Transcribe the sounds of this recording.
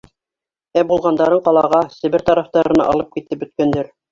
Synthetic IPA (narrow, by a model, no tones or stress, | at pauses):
æbulˠʁɑnd̪ɑɾɤɴqɑlˠɑʁɑsɘ̆βɘɾt̪ɑɾɑft̪ɑɾɤ̆nɑ̰ʔɑlˠɤp̚kit̪ːɘp̚ɵ̆t̪̚kænd̪ɘɾ